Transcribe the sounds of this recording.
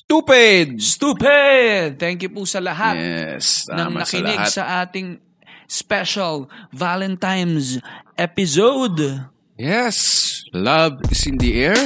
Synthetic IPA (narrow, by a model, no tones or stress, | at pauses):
st̪upɛd̪̚st̪upɛd̪t̪ɛŋkjʊpusɐlɐɦatɛ̰snɐŋnɐkɪlɪɡsɐʔaːt̪ɪŋ | spɛʃɐlvalɛnt̪ajmsʔɛpɪsowd̪ | jɛslɐvɪsɪ̃nd̪iʔɛɹ